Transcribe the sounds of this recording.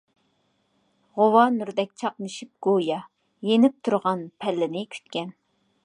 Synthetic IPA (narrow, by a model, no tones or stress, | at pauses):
ʁowɑnuɾd̪ɛk̚ʲt͡ʃʰɑqnɨʃip̚ɡ̥ojɑ | jenɪp̚t̪ʰuɾʁɑnpʰɛlːɪnɪkʲʰy̥t̪kʲɛn